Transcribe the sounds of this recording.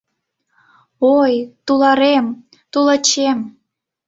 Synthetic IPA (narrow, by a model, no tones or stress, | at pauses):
ojt̪ulɑɾem | t̪ulət͡ɕem